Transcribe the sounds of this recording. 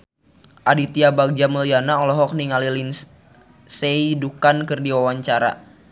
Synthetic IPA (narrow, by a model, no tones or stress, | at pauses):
ʔadit̪iabaɡ̚d͡ʒaməlianaɔlɔɦɔk̚niŋalilin | seidukankɨrdiwawaɲt͡ʃaɾa̰